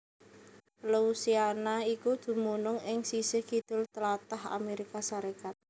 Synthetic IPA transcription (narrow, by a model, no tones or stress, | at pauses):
lousianaikud̪̥ṳmunʊŋɪŋsisəhkid̪̥ʊ̤lt̪əlat̪aha̰meɾikasaɾekat̪̚